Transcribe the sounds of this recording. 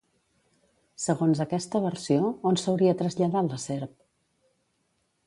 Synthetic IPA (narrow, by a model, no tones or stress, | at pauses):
səɣonzəkɛst̪əβəɾsioonsəwɾiət̪ɾəzʎəðaləseɾp̚